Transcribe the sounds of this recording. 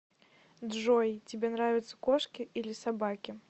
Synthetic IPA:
d̪ʐɔjt͡sʲɪbʲɛnɾavʲɪt̪sə̥kɔʂkʲiʔilʲisabakʲi

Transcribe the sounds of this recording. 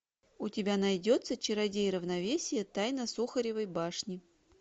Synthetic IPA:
ʊtʲɪbʲanɐjdʲot̪sət͡ɕɪɾɐdʲejɾəvnɐvʲesʲɪjət̪ajnəsuxəɾʲɪvəjbaʂnʲɪ

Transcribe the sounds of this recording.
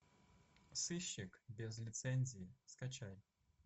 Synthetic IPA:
sɨɕːikbʲɛzlʲit̪sɛnʲzʲijiskat͡ʃaj

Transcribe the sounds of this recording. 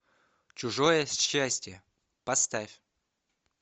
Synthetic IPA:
t͡ɕʊʐojəɕːæsʲtʲjə | pɐst̪afʲ

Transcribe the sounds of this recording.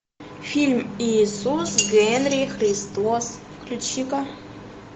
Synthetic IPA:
fʲilʲmiːsusɡenrʲixrʲist̪os | kʰlʲut͡ʃikʼa

